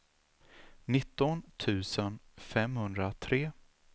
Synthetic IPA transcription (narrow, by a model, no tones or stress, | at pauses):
nɪt̪ːɔnt̪ʰʉ̟ːsənfɛmhɵnd̪ɾat̪ʰɾeː